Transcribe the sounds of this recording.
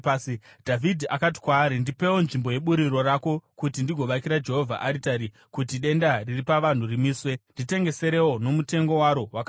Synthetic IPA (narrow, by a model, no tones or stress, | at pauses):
dʱavʱidʱiʔakat̬i̥kwaːɾindipe̞wonʐimbo̞je̞ɓuɾiɾo̞rako̞kutindiɡʱo̞ʋakiɾad͡ʒe̞ɦo̞vʱa̰ʔaɾitaɾi | kutiɗe̞ndariripaʋan̤urimiːswe̞ndite̞ŋɡe̞se̞ɾe̞wo̞no̞mute̞ŋɡo̞waɾo̞waka